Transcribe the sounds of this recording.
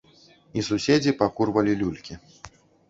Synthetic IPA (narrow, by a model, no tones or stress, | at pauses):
isusʲed͡zʲipakurvɐlʲilʲulʲkʲi